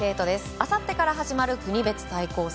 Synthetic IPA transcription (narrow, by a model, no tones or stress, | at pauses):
e̞ːt̪o̞d̪e̞sɨ̥asat̪ːe̞kaɾaɦaʑimaɾɯ̟kɯ̟ɲ̟ibe̞t͡sɨ̥saiko̞ːs